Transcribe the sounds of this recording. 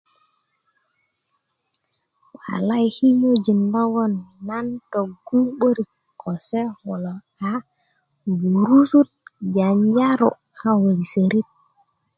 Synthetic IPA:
wa̰˨la˦jhi˦ɲo˦d͡ʒi˨nlɔ˦wɔ˦nːa˦nto˨ɡu˦ɓo˦ɾi˨ | kːo˨se˦ho˨lo˨ | a˨ | bu˨ɾu˦su˦t̚ɟa˨ɲd͡ʒa˦ɾo̰˨ | a˨wə˨i˨sə˨ɾi˦t̚

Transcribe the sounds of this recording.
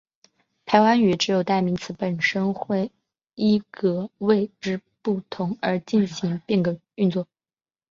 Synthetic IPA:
p̪ʰa˧˥ɪwa˧˥ny˨˥ʈ͡ʂɻ̩˧˥jo˨˩ʊt̪a˥˩mi˧˥ŋt͡sʰɹ̩˧˥pə˨˩nʂə˥nxwe˥˩ɪ | i˥˩kɤ˧˩we˥˧ɪʈ͡ʂɻ̩˥pu˥˩t̪ʰʊ˧˥ŋə˞˧˥t͡ɕi˥˩nɕi˧˥ŋpi˥˩ŋɡə˧˩ | y˥˧nt͡swɔ˥˩

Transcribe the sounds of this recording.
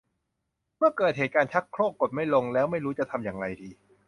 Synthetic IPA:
mɯ˥˩ɐkɤː˨˩t̪̚heː˨˩t̪̚kaː˧nt͡ɕʰa˦˥kʰɾoː˥˩k̚ːo˨˩t̪̚ma˥˩jlo˧ŋlɛː˦˥wma˥˩jɾuː˦˥t͡ɕa˨˩t̪ʰa˧mjaː˨˩ŋɾa˧jdiː˧

